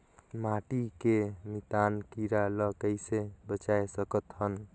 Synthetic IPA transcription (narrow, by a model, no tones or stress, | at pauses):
maʈikemit̪ankiɾaləkəɪsebət͡ʃaesəkət̪ɦən